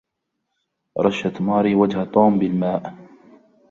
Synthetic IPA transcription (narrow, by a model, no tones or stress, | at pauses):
ɾˤɑʃːat̪mɑːɾiːwad͡ʒhat̪ˤuːmbɪlmaːʔ